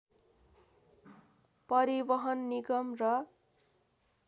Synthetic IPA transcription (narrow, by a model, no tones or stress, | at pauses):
pʌɾibʌɦʌnːiɡʌmrʌ